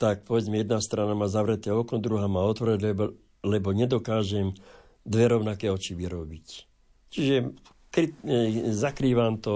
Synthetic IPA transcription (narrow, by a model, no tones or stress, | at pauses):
t̪ak̚pɔʋɛd͡zmɛjɛd̪nast̪ɾanamaːzaʋɾɛt̪ɛːɔknɔd̪ɾuɦaːmaːɔt̪ʋɔɾɛɟɛb | lɛbɔɲɛd̪ɔkaːʒɛm | d̪ʋɛɾɔʊnakɛːɔt͡ʃiʋiɾɔbic | t͡ʃiʒɛ | kɾizakɾiːʋaːmt̪ɔ